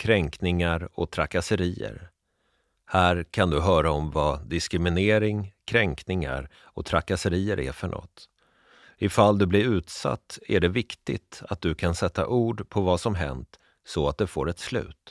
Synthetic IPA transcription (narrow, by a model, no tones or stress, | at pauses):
kʰɾɛŋknɪŋaɾɔt̪ʰɾakasəɾiːə̰ɾ | hæːɾkʰand̪ɵɦœːɾaɔmvad̪ɪskɾɪmɪneːɾɪŋkʰɾɛŋknɪŋa̰ɾ | ɔt̪ʰɾakasəɾiːəɾʔæ̰ɾfœɳʔɔ̰t̪ | ɪfald̪ɵblɪɾʉ̟ːt̪sa̰t̪ːæɖɛvɪkt̪ɪ̰t̪at̪̚d̪ɵkʰansɛt̪ʰːa̰ʔuːɖpʰɔvasɔmɦɛ̰nt̪ | sɔat̪̚d̪ɛfoːɾɛt̪slʉ̟̰ːt̪